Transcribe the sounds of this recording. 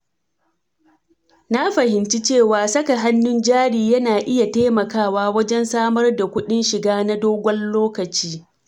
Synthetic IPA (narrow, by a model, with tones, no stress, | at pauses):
na˦ɸɐ˨hɪ˨nt͡ʃi˦t͡ʃeː˦˨waː˨sɐ˦ka˨ɦa˦nːʊ˦nd͡ʒaː˦ɽiː˨jɐ˦naː˨ʔɪ˦ja˨teː˦mɐ˨kaː˦˨waː˦wɐ˦d͡ʒɛ˦nsaː˦mɐ˦rda˨kʷʊ˦ɗɪ˦nʃɪ˨ɡaː˦na˦doː˦ɡʷɐ˦nloː˦kɐ˨t͡ʃiː˦